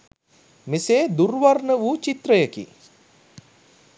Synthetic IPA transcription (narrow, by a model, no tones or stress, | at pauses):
meseːd̪urʋarɳəʋut͡ʃit̪rəjəkḭ